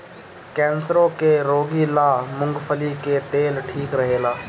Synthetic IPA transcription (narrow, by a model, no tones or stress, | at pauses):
kɛːnsəɾõːkeɾoːɡiːlaːmʊ̃ŋɡpʰəliːket̪eːlʈʰiːkɾəɦeːlaː